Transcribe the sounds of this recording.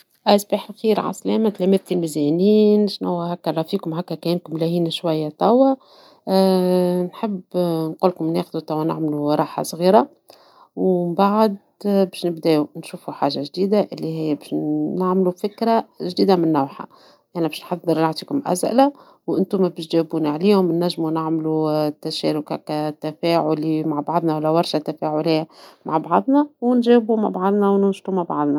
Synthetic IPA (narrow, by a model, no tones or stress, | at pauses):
ʔæsbiːħlxiːɾʕa̰slɛːmæt̪læmæt̪ilmizɛniːnʃnʊwːæɦækːæɾˤɑfiːkʊmɦækːækæɪnkʊmlæhiːnaʃwajːat̪ˤɑwːa | nħəbnquːlkʊmnexðut̪ˤɑwːæna̰ʕmluɾˤɑːħa̰sˤɣiːɾa | wmbaʕd̪ | bɛːʃnɪbd̪ɛːunʃuːfuħaːʒːaʒd̪iːd̪aʔɪlːiɦɪjːbɛʃnaʕmlufɪkɾaʒd̪iːd̪amɪnːawħa̰ | ʔæħnæbɛːʃnħɑd̪ˤːɨɾˤnaʕt̪ˤiːkʊmʔæ̰sʔɪ̰la | wʔɪnt̪ʊmːæbɪʃʒæbuːniʕaliːhʊmnːæʒːmunaʕmlut̪ːæʃæ̰ːɾʊkhæ̰kæt̪ːæfæːʕʊlimaʕbɑʕðˤnawælːæwɑɾˤʃat̪ːæfæʕʊlijːama̰ʕbɑʕðˤnæwnʒæːbumaʕbɑʕɑðˤnæwnʊnʃt̪umaʕbɑ̰ʕd̪ˤnæ